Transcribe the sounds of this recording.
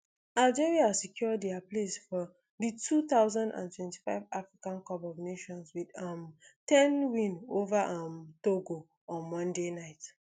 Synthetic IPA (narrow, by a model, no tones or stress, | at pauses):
ald͡ʒɛɹiasikʰjɔdɛaplesfɔ | ðitʰutaʊzãndã̰ntwɛ̃nti̥faɪvafɹikãnkɔpbɔvneʃɔ̃nswidamtɛ̃nwĩnovaʔamtoɡo | ɔ̃nmɔ̃ndenaɪt